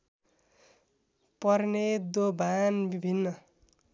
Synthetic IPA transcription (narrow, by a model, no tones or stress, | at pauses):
pʌrned̪obʱanbibʱinːʌ